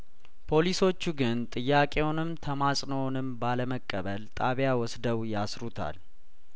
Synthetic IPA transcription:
pʰo̞liso̞t͡ʃːuɡɨnt̪ʼɨjːakʼe̞wnɨmt̪ʰəmasʼnownɨmbaləməkʼːəβəlt̪ʼaβjawɔsd̪əwjasɾut̪ʰa̰l

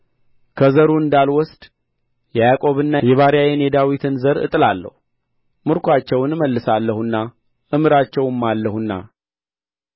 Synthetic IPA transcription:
kʰəzəɾuɨnd̪alwɔst̪ʼ | jɛjakʼo̞βɨnːajɛβaɾjajɛnjɛd̪awit̪ʰɨnzəɾɨ̰t̪ʼɨlalːə̰hu | mɨɾkʰʷat͡ʃːɛwnməlːɨsalːəhunːa | ʔɨmɨɾat͡ʃːɛwɨmːalːəhunːa̰

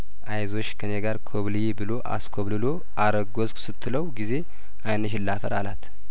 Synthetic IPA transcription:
ʔajzo̞t͡ʃːkʰəneɡaɾkʰoβlɨjebɨlo̞ʔa̰skʰoβlɨlo̞ | ʔaɾəɡosksɨt̪ʰːɨləwɡize̞ | ʔajnəʃ̬ɪlafə̰ɾalat̪

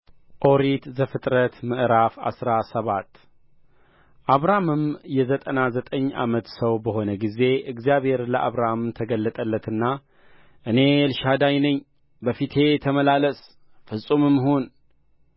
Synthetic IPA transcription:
ʔo̞ɾit̪zəfɨt̪ʼɾət̪mɨʔɾafa̰sɾasəβat̪ː | ʔaβɾamɨmjɛzət̪ʼənazət̪ʼəɲːa̰mət̪səwbəho̞nəɡize̞ɨɡzijaβhe̞ɾləʔa̰βɾamt̪ʰəɡəlːət̪ʼəlːət̪ʰɨnːa | ʔɨne̞lʃad̪ajnəɲː | bəfit̪ʰe̞t̪ʰəməlaləs | fɨsʼumɨmːhon

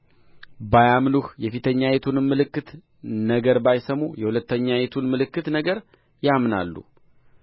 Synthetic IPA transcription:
bajamnuhjɛfit̪ʰəɲːajet̪ʰunɨmːɨlɨkːɨt̪ | nəɡəɾbajsəmːujɛhulət̪ːəɲːajet̪ʰunmɨlɨkːɨt̪nəɡəɾ | jamna̰lːṵ

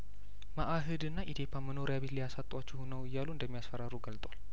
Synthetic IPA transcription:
maʔaɦɨd̪ɨnːaʔid̪ʰepʰːaməno̞ɾjaβe̞t̪lijasat̪ʼwat͡ʃːɛhunəwɨjːaluɨnd̪əmːijasfəɾaɾuɡəlt̪ʼwal

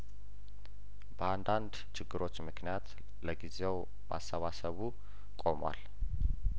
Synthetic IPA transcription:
bəand̪and̪ | t͡ʃʰɪɡːɨɾo̞t͡ʃːmɨknijat̪ | ləɡize̞w | mʔa̰sːəβasəβu | kʼo̞mwa̰l

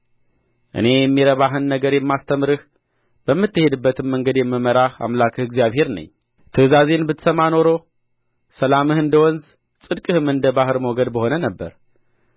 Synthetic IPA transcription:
ʔɨ̰ne̞jɛmːiɾəβaɦɨnːəɡəɾjɛmːast̪ʰəmɾɨh | b̥əmːɨt̪ːɨhe̞d̪ɨbːət̪ʰɨmːəŋɡəd̪jɛmːɨməɾaha̰mlakʰɨhɪɡzijaβhe̞ɾnə̰ɲː | t̪ʰɨzaze̞nbɨt̪səmano̞ɾo̞ | səlamɨhɨnd̪əwɔnz | sʼɨd̪kʼɨhɨmɨnd̪əbahɨɾmoɡəd̪bəho̞nənəbːə̰ɾ

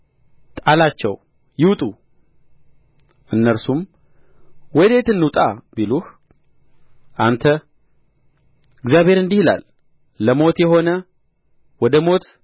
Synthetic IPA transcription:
t̪ʼalat͡ʃːɛ̰w | jɪwt̪ʼu | ʔɨnːəɾsum | wɔjd̪et̪ɨnːut̪ʼabiluh | ʔant̪ʰə | ɨɡzjaβhe̞ɾɨnd̪ihla̰lː | əmo̞t̪jɛho̞nə | wɔd̪əmo̞t̪

